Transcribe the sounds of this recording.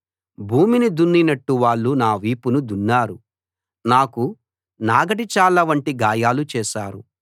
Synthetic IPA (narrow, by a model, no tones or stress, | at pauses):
bʱuːminid̪unːinɐʈːuʋaːɭːunaːʋiːpunud̪unːaːɾu | naːku | naːɡɐʈit͡ʃaːɭɐʋɐɳʈiɡaːjaːlut͡ʃɛːʃaːɾṵ